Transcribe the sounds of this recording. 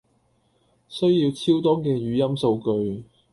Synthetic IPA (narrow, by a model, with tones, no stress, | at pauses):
sɵ˥ɥjiː˧wt͡sʰiː˥wt̪̬ɔː˥kɛː˧jyː˨˥jɐ˥mso˧wkɵ˧ɥ